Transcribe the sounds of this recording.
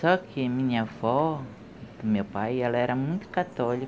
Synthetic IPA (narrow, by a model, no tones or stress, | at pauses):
sɔkʰɪmĩɲɐfɔ | d̪̥ʊmewpajɛlɐɛɾɐmũj̃t̪ʊ̥kat̪ɔlik